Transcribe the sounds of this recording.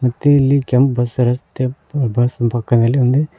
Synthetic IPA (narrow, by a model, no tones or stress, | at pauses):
mɐt̪ːeilːikempbɐsɾɐst̪epbɐspɐkːɐd̪ɐlːiund̪e